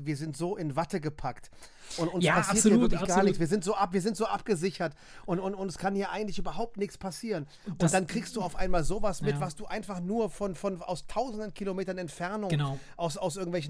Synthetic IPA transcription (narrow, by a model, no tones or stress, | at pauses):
viːɐzɪntz̥oːʔɪnvatəɡəpʰakt | ʔʊntʊnspʰasiːɐhaːɐklɪçɡ̥aannɪçsviːɐzɪntz̥oːʔapviːɐzɪntz̥oːʔap̚ɡ̥əzɪçɐt | ʔʊntʊntʊntskʰanhiːɐʔaɪɡŋ̩tlɪçʔyːbɐɦaʊp̚tnɪçt͡sspʰasiːʁən | ʔʊnd̥ankʁ̥iːkstd̥uːaʊfʔaɪnmaːlzoːvasmɪv̥asd̥uːʔaɪnfaχnuːɐfɔnfɔna̰ʊstʰaʊzn̩dənkʰilomeːtɐnɛntfɛɐnʊŋənʔaʊsaʊs̬ʔɪɐɡŋ̩tvɛlçn